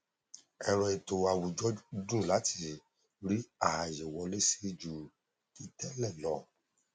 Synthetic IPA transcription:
ɛ˧ɾɔ˨e˨to˨a˨wu˨d͡ʒɔ˦dũ˦˨la˨˦tʰi˧ | ɾi˦a˦˨ha˨je˨wɔ˧le˦se˦˧d͡ʒu˨ | i˧tɛ˦lɛ˦˨lɔ˨

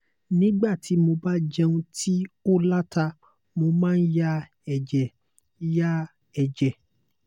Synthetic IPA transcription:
nĩ˦ɡ͡ba˦˨ti˨˦mo˧ba˦d͡ʒɛ˧ũ˧tʰi˦o˦la˦ta˧ | mo˧mãː˦n̩˦ja˦ | ɛ˨d͡ʒɛ˨ | ja˦ | ɛ˨d͡ʒɛ˨

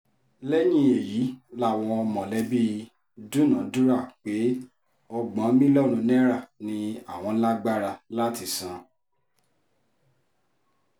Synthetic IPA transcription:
lɛ˦j̃ĩ˧˦e˨jiː˨˦la˦˨w̃ɔ̃˧ɔ˧mɔ̃˨lɛ˨˦bi˦ | dũ˦nã˨˦du˦ɾa˦˨k͡pe˨˦ | ɔ˧ɡ͡bã˨˦mĩ˦lɔ˦˨ɾ̃ũ˨˧nɛ̃˦ɾa˦˨nĩ˧a˦˨w̃ɔ̃˧˦la˦ɡ͡ba˦ɾa˧la˦ti˧˨sã˨˦

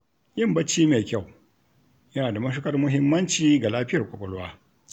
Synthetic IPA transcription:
jɪ˦˨mbɐ˦t͡ʃːiː˦meː˨kʲa˦˨w | jɐ˦naː˨da˨mɐ˦ʃ̬u˦kɐ˦rmʊ˦ɦɪ˦mːɐ˦nt͡ʃiː˦ɡa˨laː˦ɸɪ˦jɐ˨rkʷʼɔ˨kʷʼɔ˦lwaː˦

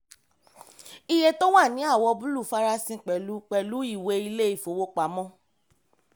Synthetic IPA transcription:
i˧je˧to˦wa˦˨nĩ˨˦a˦˨wɔ˧bu˦lu˦˨fa˦ɾa˧sĩ˧k͡pɛ˨lu˨˦k͡pɛ˨lu˨˦i˦˨we˧i˧le˦i˦˨fo˨wo˧k͡pa˨˦mɔ̃˦

